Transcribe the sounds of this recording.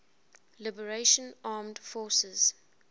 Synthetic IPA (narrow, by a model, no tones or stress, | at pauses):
lɪbəɹeʃə̃nɑːmdfɔːsəz̥